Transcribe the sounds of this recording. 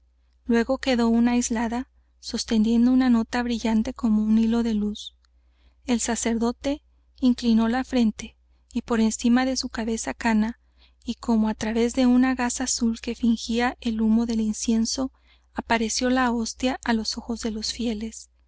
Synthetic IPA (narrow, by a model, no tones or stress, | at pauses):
lwe̞ɣo̞ke̞ðo̞unajzlaða | so̞st̪e̞nd̪je̞nd̪o̞unano̞t̪aβɾiʝant̪e̞ko̞mo̞unilo̞ðe̞lus | e̞lsase̞ɾðo̞t̪e̞ | iŋklino̞lafɾe̞nt̪e̞ | ipo̞ɾe̞nsimaðe̞sukaβe̞sakana | ikʰo̞mo̞at̪ɾaβe̞zðe̞unaɣasaːsulke̞fiŋxiaʔe̞lumo̞ðe̞linsje̞nso̞ | apaɾe̞sjo̞lao̞st̪jaʔalo̞so̞xo̞zðe̞lo̞sfje̞le̞s